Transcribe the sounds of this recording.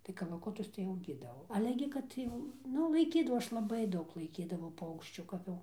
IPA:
tɐɪ kɐlˠɐˈkʊtʊs tɐɪ ɐʊˈɡʲiːdɐʋɐʊ ˈɑːlʲɛ ɡʲɪ ˈkɐt jɛʊ ˈnʊ lˠɐɪˈkʲiːdɐʋɐʊ ˈɐʃ lˠɐˈbɐɪ ˈdɐʊk lˠɐɪˈkʲiːdɐʋɐʊ ˈpɐʊkʃʲt͡ʃʲuː ˈkɐp jɛʊ

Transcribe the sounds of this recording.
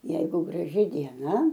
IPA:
ˈjɛɪɡʊ ɡrɐˈʒʲɪ dʲiɛˈnɐ

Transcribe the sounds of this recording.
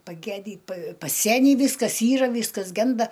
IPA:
pɐˈɡʲæːdʲiː pɐ pɐˈsʲæːnʲiː ˈʋʲiːskɐs ˈiːrɐ ˈʋʲiːskɐs ˈɡʲɛndɐ

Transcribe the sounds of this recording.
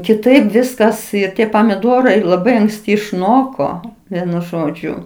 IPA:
kʲɪˈtɐɪp ˈʋʲɪskɐs ɪr ˈtʲiɛ pɐmʲɪˈdoːrɐɪ lˠɐˈbɐɪ ɐŋksʲˈtʲɪ ɪʃˈnoːkoː ˈʋʲiɛnʊ ˈʒoːd͡ʒʲʊ

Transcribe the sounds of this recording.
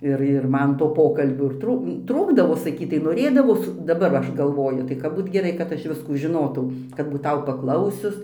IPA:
ˈɪr ɪr ˈmɐn toː ˈpoːkɐlʲbʲuː ɪr ˈtruːk ˈtruːɡdɐʋoː sɐˈkʲiːtɐɪ noːˈrʲeːdɐʋoːs dɐˈbɐr ʋɐ ˈɐʃ ɡɐlˠˈʋoːjʊ tɐɪ ˈkɐp ˈbuːt ɡʲɛˈrɐɪ kɐt ˈɐʃ ˈʋʲɪskuː ʒʲɪˈnoːtɐʊ kɐt buːˈtɐʊ pɐˈklˠɐʊsʲʊs

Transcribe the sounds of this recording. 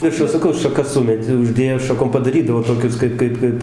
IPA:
ˈʋʲɪrʃʊ sɐˈkɐʊ ʃɐˈkɐs ˈsʊmʲɛtʲ ʊˈʒʲdʲeːjoː ʃɐˈkoːm pɐdɐˈrʲiːdɐʋoː toːˈkʲʊs ˈkɐɪp ˈkɐɪp ˈkɐɪp

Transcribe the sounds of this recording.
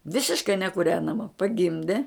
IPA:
ˈʋʲɪsʲɪʃkɐɪ nʲɛkʊˈrʲæːnɐmɐ pɐˈɡʲɪmʲdʲɛ

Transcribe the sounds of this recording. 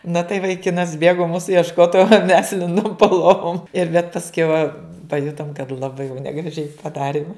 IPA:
nɐ tɐɪ ʋɐɪˈkʲɪnɐs ˈbʲeːɡoː ˈmuːsʊ iɛʃˈkoːt oː mʲɛs ˈlʲɪndʊm poː ˈlˠoːʋʊm ɪr bʲɛt pɐsʲˈkʲɛʊ pɐˈjʊtoːm kɐt lˠɐˈbɐɪ jɛʊ nʲɛɡrɐˈʒʲɛɪ pɐˈdɑːrʲɪm

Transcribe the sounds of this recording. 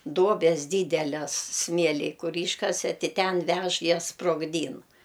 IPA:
ˈduɔbʲɛs ˈdʲiːdʲɛlʲɛs ˈsʲmʲiɛlʲɪj ˈkʊr ˈiːʃkɐsʲɛ ˈtʲɪ ˈtʲɛn ˈʋʲɛʃ ˈjɛs sproːɡˈdʲiːn

